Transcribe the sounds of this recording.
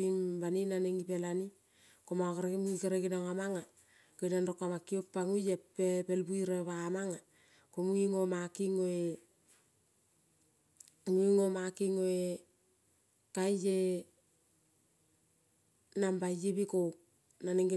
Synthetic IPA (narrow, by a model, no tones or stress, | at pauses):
imbaninaneŋɡipelani | komakaɾmikaɾeɡinaŋamaŋa | kojnandokːamakːiok̚pːaŋujepepelbuiɾeβamaŋa | komuŋiŋomakiŋoe | muiŋomakiŋoe | kajje | nambajibiko | naneŋɡi